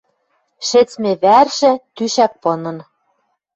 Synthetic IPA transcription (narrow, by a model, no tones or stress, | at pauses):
ʃɘ̆t͡smĕβærʃɘ̆t̪yʃæk̚pɤ̆nɤ̆n